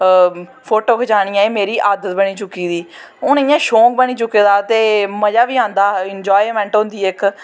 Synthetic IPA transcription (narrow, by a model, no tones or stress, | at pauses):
pʰoːʈoːkʰət͡ʃaːɽ̃ĩːãːeːmeːɾiːʔaːd̪ət̪̚bəɽ̃iːt͡ʃʊkːiːd̪iː | ʊnɪjãːʃõːk̚bəɽ̃iːt͡ʃʊkːeːd̪aːt̪eːməd͡ʒaːʋiːãːnd̪aːɪnd͡ʒaːimɛ̃ːɳʈɦõnd̪iːɪk